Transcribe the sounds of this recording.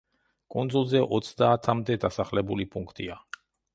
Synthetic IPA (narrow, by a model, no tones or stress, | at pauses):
kʼund̪zulˠzɛʔɔt̪sʰd̪aːt̪ʰamd̪ɛd̪asaχlɛbulipʼuŋkʰt̪ʼia